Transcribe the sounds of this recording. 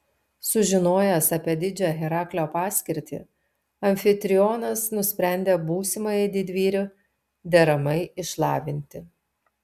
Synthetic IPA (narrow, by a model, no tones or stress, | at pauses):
sʊʒʲɪnoːjɛsɐːpʲiɛd̪ʲɪd͡ʒʲoɣʲɛɾɑːklʲoːpɑːsʲkʲɪɾʲt̪ʲḭ | ɐmʲfʲɪt̪ʲɾʲɪɔːnɐsnʊsʲpʲɾʲæˑnʲd̪ʲeːbuːsʲɪmɐjɪd̪ʲɪd̪ʲʋʲiːɾʲʊ | d̪ʲɛɾɐmɐɪɪʃlˠɑːʋʲɪnʲt̪ʲɪ